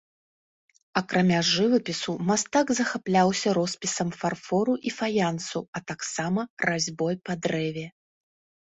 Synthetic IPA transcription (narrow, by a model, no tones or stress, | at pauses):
ɐkɾamʲaʐɨvɐpʲisumast̪aɡzɐxaplʲawsʲɐɾɔspʲisɐmfarfɔɾuʔifajant̪suɐt̪aksamɐrazʲbɔjpɐd̪ɾɛvʲɛ